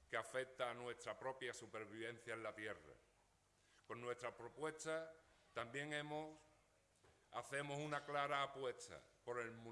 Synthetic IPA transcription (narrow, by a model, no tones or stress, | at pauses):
keafe̞k̚t̪aːnwe̞st̪ɾapɾo̞pjasupe̞ɾβ̞iβ̞e̞n̟θjaelat̪je̞ra̰ | ko̞nːwe̞st̪ɾapɾo̞pwe̞t̪at̪ambje̞ŋẽ̞mos | aθe̞mosunaklaɾaːpwe̞t̪a̰po̞ɾe̞lmu